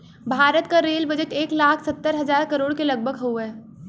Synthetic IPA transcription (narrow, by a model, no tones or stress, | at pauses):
bʱaːɾət̪kaɾeːlbɐd͡ʒəʈeːklaːkʰsɐt̪ːəɾɦɐzaːɾkɐɾoːɽkelɐɡ̚bʱəɡɦoɦɛː